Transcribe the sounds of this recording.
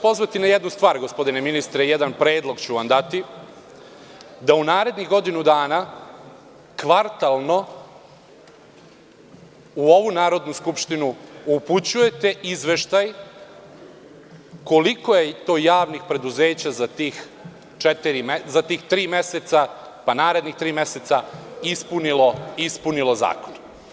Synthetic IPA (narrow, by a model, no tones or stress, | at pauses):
po̞zʋat̪inajed̪nust̪ʋaːɾɡo̞spo̞d̪ineminist̪ɾejed̪anpɾeːd̪lˠo̞ɡt͡ɕuʋamd̪at̪i | d̪aunaːɾe̞d̪niɣɡo̞d̪inud̪aːna | kʋaɾt̪alˠno̞ | uoʋunaːɾo̞d̪nuskupʃt̪inuuput͡ɕuje̞t̪e̞ʔizʋe̞ʃt̪aj | ko̞liko̞je̞t̪o̞ːjaːʋnixpɾe̞d̪uze̞ːt͡ɕazat̪iːx | t͡ʃet̪iɾimezat̪iːxt̪ɾiːmeset̪sa | panaːɾe̞d̪nixt̪ɾiːmeset̪saispuniloispunilˠo̞za̰ːkon